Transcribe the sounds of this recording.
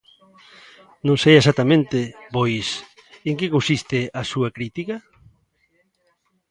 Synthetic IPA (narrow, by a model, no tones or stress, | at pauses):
nõŋsejesat̪ːamẽnt̪ɪpojs | eŋkekõnsist̪ɪɐsuɐkɾit̪ikɐ